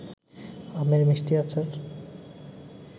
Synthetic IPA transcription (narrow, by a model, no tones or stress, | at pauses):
ameɾmiʃʈiat͡ɕʰaɾ